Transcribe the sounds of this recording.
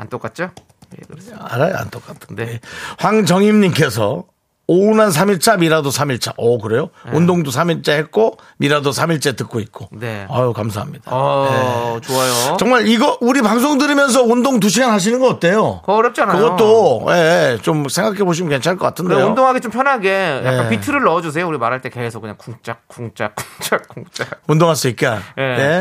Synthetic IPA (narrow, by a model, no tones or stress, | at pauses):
a̰nt͈ok͈at̚t͡ɕ͈o | a̰ɾaja̰nt͈ok͈atʰɯ̥ehwaŋd͡ʑʌŋimɲimk͈e̞sʰʌ | ounansʰamiɭt͡ɕʰamiɾadosʰamiɭt͡ɕʰa̰ʔʌkɯɾe̞joundoŋdosʰamiɭt͡ɕ͈ehet̚k͈o | miɾadosʰamiɭt͡ɕ͈e̞tɯk̚k͈oit̚k͈oneajokams̬ʰaɦamɲidaet͡ɕoajot͡ɕʌŋmaɾiɡʌuɾipaŋs̬ʰoŋdɯɾimjʌns̬ʰʌundoŋt̬uɕ̬ʰiɡanɦaɕ̬ʰinɯnɡʌkat̚t͈ʰe̞jokʌɾjʌp̚t͡ɕ͈anakaɯjɡʌt͈oje̞t͡ɕomsʰe̞ŋɡakʰe̞boɕ̬ʰimɯnke̞nt͡ɕʰaɭk͈ʌk͈atʰɯndejundoŋɦaɡet͡ɕompʰjʌnɦaɡe̞jaekanpitʰɯɾɯɭːʌd͡ʑus̬ʰe̞jouɾimaɾɦaɭt͈e̞kesʰʌkɯɲaŋkuŋt͡ɕ͈ak̚k͈uŋt͡ɕ͈ak̚k͈uŋt͡ɕ͈akk͈uŋt͡ɕ͈aundoŋɦaɭs͈uik̚k͈eanene̞